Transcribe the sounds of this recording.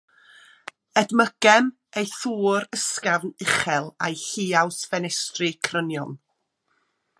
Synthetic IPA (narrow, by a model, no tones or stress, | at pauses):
ɛdməɡ̥ɛm | ejθuːɾəskavnɪχɛlˠajɬiːawsvɛnɛstrɨkʰrənjɔn